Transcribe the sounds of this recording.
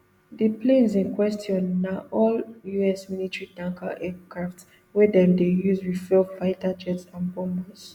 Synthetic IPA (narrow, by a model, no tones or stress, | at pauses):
diplẽnzĩnkwɛstʰiɔ̃nːaʔɔljuɛsmilitɹidãŋkʰa̰ʔɛkɹafts | wɛdɛ̃mdejuzwidfɛvaɪtad͡ʒɛtsãnbɔ̃mbɔs